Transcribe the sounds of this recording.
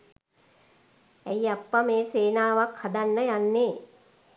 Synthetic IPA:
æiapːameːseːnaːʋakhad̪anːəjanːe

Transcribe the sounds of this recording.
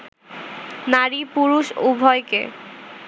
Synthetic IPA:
naɾipuɾuʃubʱɔekḛ

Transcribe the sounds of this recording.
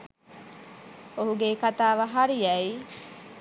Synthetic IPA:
oɦuɡekat̪aːʋɐɦaɾiɐi

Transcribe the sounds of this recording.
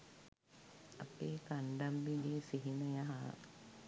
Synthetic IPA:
ɐpeːkaɳɖambiɡeːsiɦinəjaɦa

